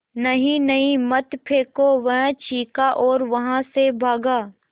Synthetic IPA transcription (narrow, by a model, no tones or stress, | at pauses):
nɐɦĩnɐɦĩmɐt̪pʰeːkoʋɐɦt͡ʃiːkaʔɔːɾʋɐɦãsebʱaːɡaː